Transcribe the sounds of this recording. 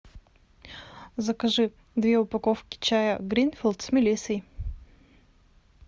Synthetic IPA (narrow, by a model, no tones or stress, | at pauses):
zɐkɐʐɨ | d̪vʲeʊpɐkofkʲɪ̥t͡ɕajəɡɾʲinfʲɪlˠt̪smʲɪlʲisəj